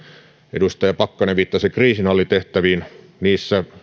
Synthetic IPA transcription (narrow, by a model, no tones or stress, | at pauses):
ḛdust̪ɑjɑpɑkːɑneʋit̪ːɑsekriːsinɑlːit̪eht̪æʋiːn | niːsːæ